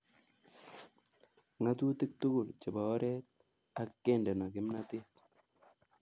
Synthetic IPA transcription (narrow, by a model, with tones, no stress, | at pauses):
ŋa˦t̪u˦tɪ˦k̚t̪u˦ɡʊ˨lt͡ʃɪ˨ba˨ɔ˦ɾɛ˦t̪̚ | a˨kːɛ˦˨ndɛ˨nɔ˨kɪ˦mna˦tɪ˦t